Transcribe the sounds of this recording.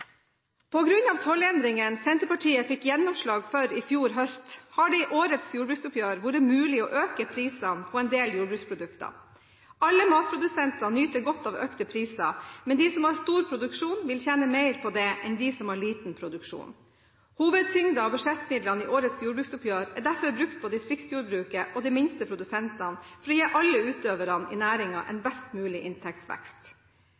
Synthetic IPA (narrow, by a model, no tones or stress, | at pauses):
pʰɔɡɾʉnɑːʋt̪ʰɔlɛnd̪ɾɪŋənsɛnt̪əpɑʈʰiːəfɪkːjɛnːɔmʂɭɑːɡfœɾɪfjuːɾɦœst̪hɑɖɪʔoːɾət̪sjuːɾbʉːksʊpjøːɾʋʊɾəmʉːlɪɔ̰ʔøːkəpʰɾiːsɑnpʰɔɛnd̪eːljuːɾbɾʉːkspʰɾʊd̪ʉkt̪ɑ̰ | ʔɑlːəmɑːt̪̚pʰɾʊd̪ʉsɛnt̪ɑnyːt̪əɾɡɔt̪ːɑːʋœ̰kt̪əpʰɾiːsɑmɛnd̪iːsɔmhɑɾst̪uːɾpʰɾʊd̪ʉkʂuːnʋɪlçɛnəmeɪɾpʰɔd̪ɛʔɛnd̪ɪsɔmhɑɭiːt̪n̩pʰɾʊd̪ʉkʂṵːn | huːʋəd̪̚t̪ʏŋd̪ɑɔbʉʂɛt̪ːmɪd̪lɑnɪʔoːɾət̪sjuːɾbʉːksʊpʰjøːɾɛd̪æɾfɔɾbɾʉkt̪̚pʰɔd̪ɪst̪ɾɪksjuːɾbɾʉːkəʔɔd̪ɛmɪnst̪əpʰɾʊd̪ʉsɛnt̪ɑnfɔɾjæʔɑlːəʉːt̪øːʋəɾɑnɪ̰næːɾɪŋɑ̰ʔɛ̰nbɛst̪mʉːlɪʔɪnt̪ʰɛk̚t̪sʋæ̰kst̪